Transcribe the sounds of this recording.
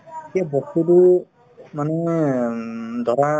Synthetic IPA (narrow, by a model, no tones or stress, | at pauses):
kiabɔsudu | manɛ | d̪ɔɾa